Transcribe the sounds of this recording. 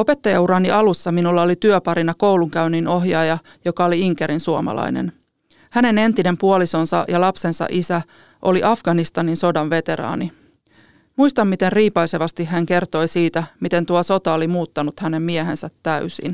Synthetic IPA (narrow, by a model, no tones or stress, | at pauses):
o̞pe̞t̪ːɑjɑuɾɑniʔɑlusːɑminulːɑolit̪yøpɑɾinɑko̞wluŋkæynino̞ɦjɑjɑ | jo̞kɑoliiŋkeɾinsuomɑ̰lɑ̰inḛn | hæne̞ne̞nt̪ine̞mpuoliso̞nsɑ̰jɑlɑpse̞nsɑ̰ʔisæ | ʔoliʔɑfɡ̥ɑnist̪ɑninso̞dɑnʋe̞t̪e̞ɾɑ̰ːni | muist̪ɑmːmit̪e̞nriːpɑjseʋɑst̪iɦæŋke̞rt̪o̞jsiːt̪æmit̪e̞nt̪uɑso̞t̪ɑolimuːt̪ːɑnut̪hænemmiɛɦe̞nsæt̪ːæysḭn